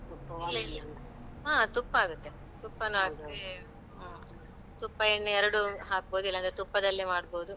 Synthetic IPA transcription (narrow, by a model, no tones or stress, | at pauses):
iilːɐilːɐ | aːt̪upːɐaːɡut̪ːe | t̪upːɐnuaːɡ̚t̪ːe | t̪upːɐenːuɛɾɐɽuɦaːk̚boːd̪ilːɐnd̪ɾet̪upːɐd̪ɐlːemaːɽboːd̪u